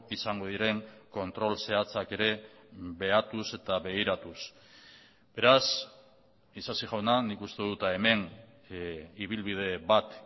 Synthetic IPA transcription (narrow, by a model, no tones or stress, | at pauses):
isaŋɡo̞ðiɾe̞ŋko̞nt̪ɾo̞lse̞at͡sake̞ɾe̞βe̞at̪use̞t̪aβe̞ɣiɾat̪us | be̞ɾas | isasiʝawnanikust̪e̞ðut̪aeme̞n | iβ̞ilβiðe̞βat̪